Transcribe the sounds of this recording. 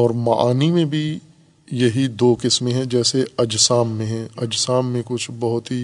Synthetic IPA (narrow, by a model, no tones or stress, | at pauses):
ɔːɾmɐʔaːnimẽbʱi | jɐɦid̪oːkɪsmẽɦɛ̃d͡ʒɛːseɐd͡ʒsaːmːẽɦɛ̃ɐd͡ʒsaːmːẽkʊt͡ʃʰbɐɦʊt̪ɦi